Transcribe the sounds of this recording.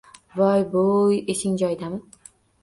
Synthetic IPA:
bɒjbojeʃɪŋd͡ʒɒjd̪amɪ

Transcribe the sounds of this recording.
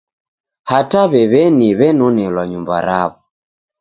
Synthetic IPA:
hataβɛβɛniβɛnɔnɛlwaɲumba̰ɾa̰βɔ

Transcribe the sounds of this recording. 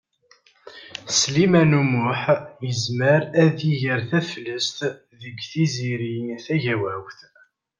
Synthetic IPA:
slimænumʊħjəzməɾæðiʝəɾθæfləst̪ | ðəɡθiziɾiθæʝæwæwθ

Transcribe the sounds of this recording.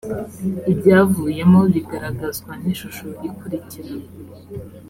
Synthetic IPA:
ibɟaːvuːje̞moβiɡaɾaɡazɡwan̥iʃuʃo̞ɾikuɾiciɾe

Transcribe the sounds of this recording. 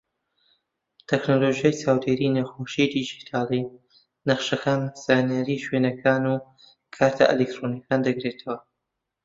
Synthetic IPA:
t̪ʰɛknoloʒjajt͡saːwd̪eːɾinɐxoʃid̪id͡ʒit̪ʰaːli | nɐχʃɐkaːnz̥aːnijaɾiːʃwenɐkʰaːnu | kʰaɾt̪ʰɐ̰ʔḛlek̚t̪ɾonjikʰaːnd̪ɐɡɾet̪ʰɐwɐ

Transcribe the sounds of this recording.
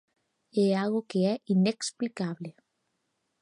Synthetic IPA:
ɛaɣokeɛʔineksplikaβle

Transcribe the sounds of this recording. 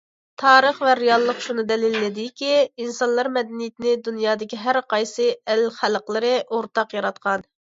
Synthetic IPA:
t̪ʰɑːɾəχvɛɾɪjɑlˠːəqʃunɨd̪ɛlɪlːɪd̪ɪkʲiinsɑnlˠɑɾmɛd̪ɛnijit̪ʰɪnɪd̪unjɑːd̪ɪkʲiɦæɾqɑjsɨælχælˠqlˠɨɾɨʔoɾt̪ʰɑqjɑɾɑt̪̚qʰɑn

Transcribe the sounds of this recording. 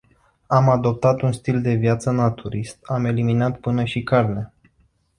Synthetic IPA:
amad̪o̞p̚t̪at̪unst̪ild̪e̞vjat̪sənat̪ʰuɾist̪ame̞liminat̪pɨnəʃikarnea

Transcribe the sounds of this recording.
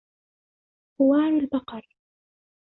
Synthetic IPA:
hʊwaːɾalbɑqɑɾˤ

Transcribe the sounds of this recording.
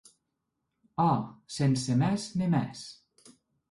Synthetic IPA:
ɔsensemɛznemɛs

